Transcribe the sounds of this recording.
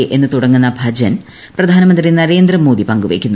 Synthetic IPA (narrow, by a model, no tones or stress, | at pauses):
ʔe̞nːɨt̪uɽɐŋːunːɐbʱɐd͡ʑɐn | prɐd̪ʱaːnɐmɐnd̪rinɐɾe̞ːnd̪ɾɐmo̞ːd̪ipɐŋɡuʋeːkʲːunː